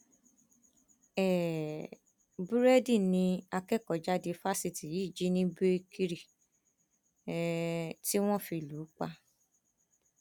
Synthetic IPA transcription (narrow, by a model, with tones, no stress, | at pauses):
ɛ˨ | bu˦ɾɛ˦di˦˨nĩ˧a˧kɛ˦kɔ˨d͡ʒa˦de˧fa˦si˧ti˨ji˨˦˨d͡ʒi˨˦nĩ˦be˦˧kʰi˦ɾi˨ | ti˦w̃ɔ̃˦˨fi˧˨lu˨˦k͡pa˧